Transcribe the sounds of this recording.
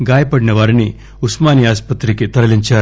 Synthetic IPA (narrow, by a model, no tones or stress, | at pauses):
ɡaːjɐpɐɽinɐʋaːɾini | usmaːniaːspɐt̪ːɾiket̪ɐɾɐliɲt͡ʃaːɾ